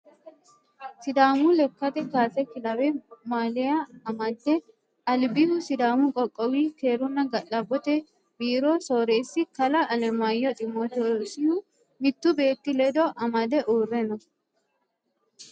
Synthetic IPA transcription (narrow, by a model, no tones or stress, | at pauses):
sɪd̪aːmʊlɛkːɐt̪ɛkaːsɛkɪlɐwɛmaːlɪɐɐmɐd̪ːɛ | ɐlbɪhʊsɪd̪aːmʊkʼɔkʼːɔwiːke̞ːɾʊnːɐɡɐʔɐbːɔt̪ɛ | biːɾoso̞ːɾesːɪkɐlɐʔɐlɛmajɔt̪ʼɪmot̪ɔsɪhʊ | mɪt̪ːʊbe̞ːt̪ːɪlɛd̪ɔʔɐmɐd̪ɛʔoːrːɛnɔ